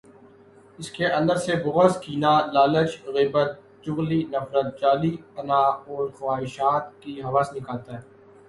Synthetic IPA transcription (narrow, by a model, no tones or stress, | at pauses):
ɪskeʔɐ̃nd̪əɾsebʊɣəskiːnalaːlət͡ʃɣiːbət̪̚ | d͡ʒʊɣlinɐfɾət̪̚d͡ʒaːlipɐnaɔːɾxwaːɦɪʃaːt̪kiɦɐʋaːsnɪkaːlt̪aɦɛː